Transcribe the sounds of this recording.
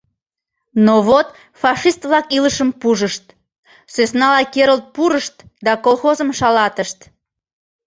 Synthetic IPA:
noβot̪ | fɑʃist̪βlɑkiləʃəmpuʒəʃt̪ | søsnɑlɑkeɾəlt̪̚puɾəʃt̪d̪ɑkolxozəmʃɑlɑt̪əʃt̪

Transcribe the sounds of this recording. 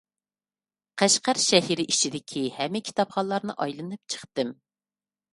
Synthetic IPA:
qʰæʃqæɾʃɛɦiɾɪʔit͡ʃʰid̪ɪkʲʰihɛmːɪkʲʰi̥t̪ɑpχɑlˠɑɾnɨ̰ʔɑjlˠɨnɨp̚t͡ʃʰə̥χt̪ɨm

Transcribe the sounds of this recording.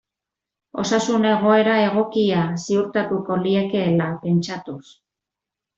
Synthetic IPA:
o̞̰sasune̞ɣ̞o̞e̞ɾae̞ɣo̞kiasiuɾt̪at̪uko̞lieke̞lape̞nt͡ʃat̪us

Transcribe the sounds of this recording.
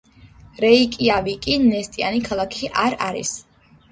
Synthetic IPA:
ɾɛikʼiavikʼinɛst̪ʼianikʰalˠakʰiʔaɾaɾḭs

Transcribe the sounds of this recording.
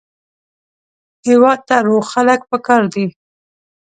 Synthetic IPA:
hewɑd̪̚t̪aɾoɣxalək̚pəkɑɾd̪i

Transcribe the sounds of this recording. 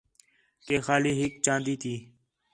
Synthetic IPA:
keːxaːliːɦɪkt͡ʃãːnd̪iːt̪ʰiː

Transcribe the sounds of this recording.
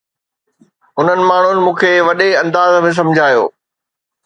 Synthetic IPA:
ʊn̤ənɪ̆maːɳ̤ʊnɪ̆mũːkʰeːʋɐɗeɐ̃nd̪aːzmẽs̬ɐ̃md͡ʑʱaːjo̰ː

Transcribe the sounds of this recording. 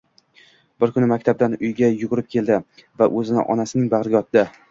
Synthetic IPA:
bɪɾkʰʊnɪmak̚ʲt̪ʰab̚d̪anʊjɡʲajʊʁʊɾɪp̚kʲʰe̞lˠd̪ɪvaʔɵzɪnɪ̰ʔɒ̰nasɪnɪŋbaʁɾɪɡʲaɒt̪̚ːd̪ɪ

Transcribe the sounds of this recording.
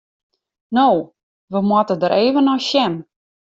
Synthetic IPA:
noː | ʋəmwɔtədəɾʔeːvənɔjʃɛm

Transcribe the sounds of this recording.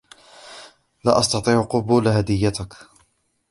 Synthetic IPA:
la̰ːʔɑsˤt̪ɑt̪ˤiːʕqʊbuːlɦad̪ɪjːat̪ak

